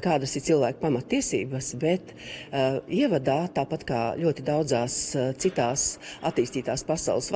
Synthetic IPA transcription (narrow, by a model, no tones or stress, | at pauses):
kaːd̪asɪɾtsilˠvæːkpamɐt̪ːiɛsḭːbəsbɛt̪ | iɛvad̪aːt̪aːpat̪ka̰ːlʲuɔt̪id̪awdzaːst̪sit̪aːsat̪iːst̪iːt̪aːspasa̰ʊlˠs